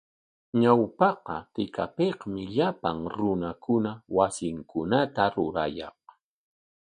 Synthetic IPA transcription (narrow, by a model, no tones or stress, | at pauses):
ɲawpɑqɑ̰t̪ɪka̰pehmɪʎapa̰ŋɾʊnakʰʊnawasɪŋkʊnat̪aɾʊɾa̰jɑ̰q